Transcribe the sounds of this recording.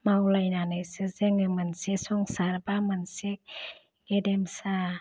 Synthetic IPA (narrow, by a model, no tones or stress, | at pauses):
mawlajnanɯjsɯzeŋɯmɯnsesɔŋsaɾbamɯnsek̚ | ɡedemsa